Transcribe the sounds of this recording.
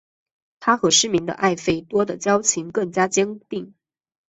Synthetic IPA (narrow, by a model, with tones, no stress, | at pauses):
t̪ʰa˥xɤ˧˥ʂɻ̩˥mi˧˥ŋd̪ə̰˧ʔa˥˩ɪfe˥˩ɪt̪wɔ˥d̪ə˨t͡ɕjɑ˥ʊt͡ɕʰi˧˥ŋkɤ˥˩ŋt͡ɕja˥t͡ɕjɛ˥ŋt̪i˥˩ŋ